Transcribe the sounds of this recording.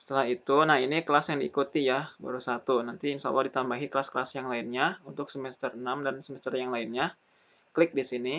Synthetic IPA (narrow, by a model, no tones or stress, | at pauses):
sə̥t̪əlaɦit̪unahinikəlasjaŋdiːkut̪ijaba̰ɾusat̪unant̪insa̰wadit̪ambaɦiklaskəlasjaŋlaɪnɲaunt̪ʊksəmɛst̪ərənamdansəmɛst̪ərjaŋlaɪnɲa | klɪk̚disini